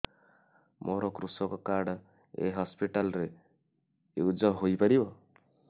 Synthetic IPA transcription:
mʔoɾɔkɾusɔkɔkaɽ | ḛɦɔspiʈalɾe | ud͡ʒɔɦojpaɾibɔ

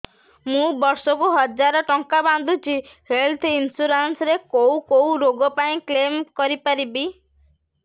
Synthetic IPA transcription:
mũbɔɾsɔkuɦɔd͡ʒaɾɔʈɔŋkaband̪ut͡ʃʰihelt̪ʰinsuɾansɾekowkoũɾoɡɔpaĩklemkɔɾipaɾibi

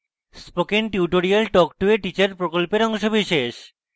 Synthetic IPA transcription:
spokenʈiuʈoɾialʈɔkʈueʈit͡ɕaɾpɾokolpeɾɔŋʃobiʃeʃ

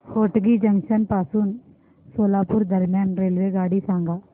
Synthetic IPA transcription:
hoːʈɡiːd͡ʒəŋʃənpaːsuːn | soːlaːpʊɾd̪əɾmjaːnɾeːlʋeːɡaːɽisãːŋɡaː

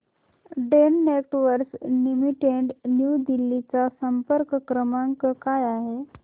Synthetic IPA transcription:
ɖenːeʈʋəɾsnimiʈeɳɖnjud̪ilːit͡sasəmpəɾkkɾəmaŋkəkajaɦe

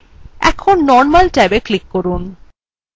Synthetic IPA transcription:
ɛ̰kʰonːɔɾmalʈɛbeklikːɔɾun

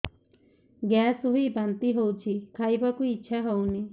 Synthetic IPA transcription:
ɡasuɦibant̪iɦowt͡ʃʰikʰajbakuiːt͡ʃʰaɦowni

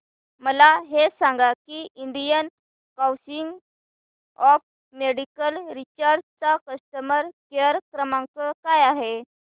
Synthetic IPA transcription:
məlaɦesaŋɡakiiɳɖijən | kawsiŋɡ | ɔf | meɽikəlɾit͡ɕaɾd͡zt͡sakəst̪əməɾkeɾkɾəmãŋkəkajaɦe

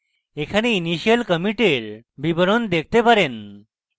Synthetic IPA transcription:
ekʰaneiniɕijəlkəmiʈeɾbibɾond̪ek̚ʰt̪epaɾen

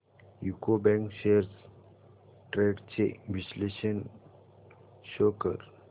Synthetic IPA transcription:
jukobɛ̃ŋkʃeɾs | ʈɾeɖt͡ʃeʋisleʃən | ʃoːkəɾ

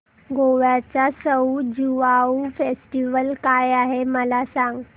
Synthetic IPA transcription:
ɡoʋjat͡sasəwd͡ʑuʋaufesʈiʋəlkajaɦeməlasãŋɡ

